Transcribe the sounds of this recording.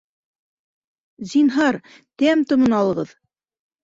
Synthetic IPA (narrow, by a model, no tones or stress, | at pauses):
zinɦɑɾ | t̪æmt̪ŏmɤnɑlˠɤ̆ʁɤð